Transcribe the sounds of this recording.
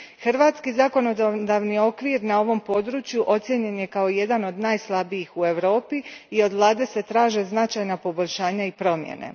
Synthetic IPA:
xrɾʋaːt̪skizako̞no̞d̪ad̪aːʋnio̞kʋiɾnao̞ʋo̞mpo̞d̪ɾuːt͡ʃjuʔo̞t̪sjeɲe̞nje̞kao̞je̞d̪ano̞d̪naːjslˠabijixue̞ʋɾo̞ːpiio̞d̪ʋlˠaːd̪e̞se̞t̪ɾaːʒe̞znat͡ʃajnapo̞boʎʲʃaːɲaipɾo̞mjḛnḛ

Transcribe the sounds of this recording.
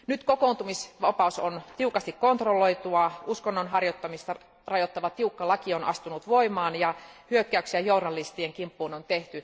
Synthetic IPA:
nyt̪kokount̪umisʋɑpɑˑusont̪iukɑst̪ikkont̪roloit̪uɑuskonːonɦɑrjot̪ːɑmist̪ɑ | rɑjot̪ːɑʋɑt̪iukːɑlɑkionʔɑ̰st̪unut̪ʋoimɑːnjɑhyøkːæyksiæjouɾɑlːist̪ieŋkimpːuːnont̪eht̪y

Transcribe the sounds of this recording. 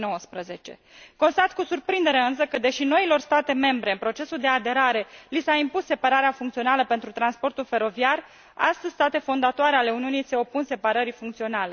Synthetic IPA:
nowəspɾəze̞t͡ʃe̞̰ | ko̞nst̪at̪kusurpɾind̪e̞ɾeɨns̬əkəd̪e̞ʃino̞ilo̞rst̪at̪e̞me̞mbɾe̞ɨnpɾo̞t͡ʃe̞suld̪e̞ad̪e̞ɾaɾe̞lisaimpusːe̞paɾaɾeafuŋkt̪sio̞naləpe̞nt̪ɾut̪ɾanspo̞rt̪ulfe̞ɾo̞viar | a̰st̪əzʲst̪at̪e̞fo̞nd̪at̪oaɾeale̞uniunijseo̞punse̞paɾəɾifuŋkt̪sio̞nale̞

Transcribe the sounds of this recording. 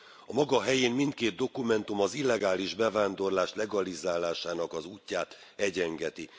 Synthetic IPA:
ɒmɒɡɒɦɛjeːnmint̪̚keːd̪̚d̪o̞kumɛnt̪umɒzilːɛɡaːliʒbɛvaːnd̪o̞rlaːʃlɛɡɒlizaːlaːʃaːnɒkɒzuːcːaːt̪ɛɟɛŋɡɛt̪i

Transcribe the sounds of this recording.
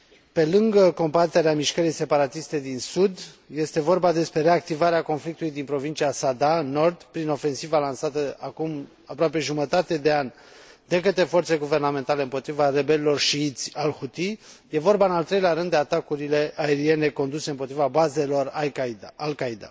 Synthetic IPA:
pe̞lɨŋɡəko̞mbat̪e̞ɾeamiʃkəɾijse̞paɾat̪ist̪e̞d̪insud̪je̞st̪e̞vo̞rbad̪e̞spɾe̞ɾe̞ak̚t̪ivaɾeako̞nflik̚t̪ulujd̪inpɾo̞vint͡ʃiasad̪ano̞rd̪pɾino̞fe̞nsivalansat̪əakum | apɾoape̞ʒumət̪at̪e̞d̪e̞anʲ | d̪e̞kət̪ɾe̞fo̞rt̪seeɡuve̞rname̞nt̪ale̞ɨmpo̞t̪ɾivare̞be̞lilo̞rʃiit̪sʲalhut̪ije̞vo̞rbaɨnalt̪ɾe̞jleaɾɨnd̪e̞at̪akuɾile̞ʔae̞ɾie̞ne̞ko̞nd̪useɨmpot̪ɾivabaze̞lo̞raalkaid̪a̰

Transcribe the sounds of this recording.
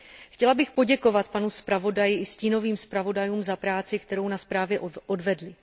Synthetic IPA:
xcɛlabɪxpo̞ɟɛko̞vat̪panuspɾavo̞dajɪʔɪsciːno̞viːmspɾavo̞dajuːmzapɾaːt͡sɪkt̪ɛɾo̞wnaspɾaːvjɛʔʔodvɛdlɪ

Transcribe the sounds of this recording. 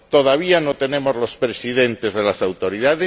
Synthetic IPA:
t̪oðaβ̞ianot̪ene̞mo̞zlo̞spɾesiðe̞nt̪ezðelasawt̪o̞ɾiðaðe

